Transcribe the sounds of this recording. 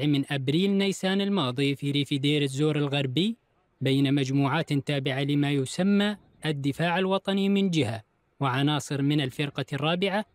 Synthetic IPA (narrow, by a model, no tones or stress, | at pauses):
ʕmɪnʔabɾiːlnajsaːnɪlmɑːðˤifiɾiːfid̪eːɾɪzːoːɾɪlɣɑɾˤbɪj | beːnamad͡ʒmuːʕaːt̪t̪aːbɪʕalɪmajʊsamːa | ʔad̪ːɪfaːʕalwɑt̪ˤɑnimɪnd͡ʒɪha | wɪʕɑnɑːsˤɨɾmɪnalfɪɾqɑrˤːɑːbɪʕa